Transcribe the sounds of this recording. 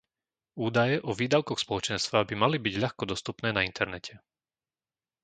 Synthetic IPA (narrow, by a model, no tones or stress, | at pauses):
uːd̪ajɛʔɔʋiːd̪aʊkɔxspɔlɔt͡ʃɛnst̪ʋabimalibiɟʎaxkɔd̪ɔst̪upnɛːnaint̪ʰɛɾnɛcʰɛ